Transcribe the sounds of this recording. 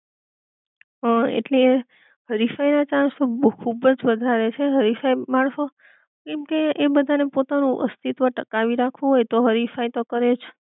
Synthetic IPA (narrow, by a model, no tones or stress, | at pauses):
əḛʈlee | ɦəɾifainat͡ʃãɳsokʰubəd͡ʒʋəd̪ʱaɾet͡ʃʰeɦəɾifaimaɳ̃ʃo | kɛmkeːbəd̪ʱanepot̪anũʔə̰st̪ʰit̪ʋəʈəkaʋiɾakʰũɦojt̪oɦəɾifait̪okəɾet͡ʃʰ